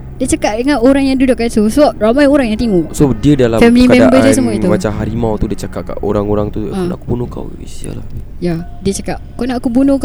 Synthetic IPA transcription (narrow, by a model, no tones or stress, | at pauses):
diət͡ʃakaʔ̚dəŋanʔoɾaŋjaŋdudʊʔkat̪usəbap̚ɾamajoɾaŋjaŋt̪iŋusodiədalafɛmilikamɛambədisəmuait̪umat͡ʃamɦaɾimãwt̪udiət͡ʃakaʔ̚ka̰ʔo̰ɾaŋoɾaŋt̪ua̰kubunuka̰wḭsia̰la̰ja | diət͡ʃakaʔ̚kɔʔnaʔkubunũk